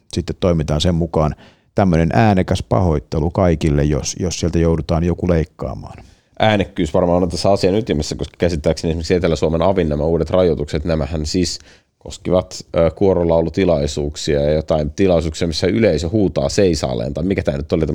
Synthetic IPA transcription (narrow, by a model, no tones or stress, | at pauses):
sit̪ːet̪toimit̪ɑːnsemmukɑːn | t̪æmːønenʔæːnekæspɑ̰hoit̪ːelukɑikilːejjosjossielt̪æjoudut̪ɑːnjokuleikːɑ̰ːmɑ̰ːn | ʔæːnekːyːsʋɑrmɑːnot̪æsːæɑsiɑnyt̪imesːækoskɑ̥kæsit̪ːæːksenesimeɾksiet̪elːæsuomenɑʋinːæmæuːdet̪rɑjot̪ukset̪næmæhænsiːs | ko̰skiʋɑt̪ːkuoɾolːɑolːut̪ilɑisuːksiɑjɑjot̪ɑint̪ilɑisuːksiɑmisːæyleisehuːt̪ɑ̰ːseisɑ̰ːlḛːnt̪ɑimikæt̪æːnyt̪ːolit̪æ